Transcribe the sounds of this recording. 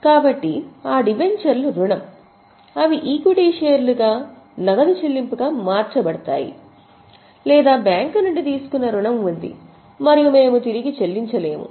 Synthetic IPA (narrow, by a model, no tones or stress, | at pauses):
kaːbɐʈːiaːɖibe̞ɳt͡ʃɐɾluɾuɳɐm | ɐʋiʔiːkiɽiːʃeːɐɾluɡaː | nɐɡɐd̪it͡ʃelːimpuɡaːmaːɾt͡ʃɐbɐɽɐt̪a̰ːjḭ | lɛːd̪aːbjaːŋknuɳɖit̪̬iːsu̥kunːɐɾuɳɐmund̪ḭ | mɐɾijume̞ːmut̪iɾiɡit͡ʃelːiɲt͡ʃɐle̞ːmṵ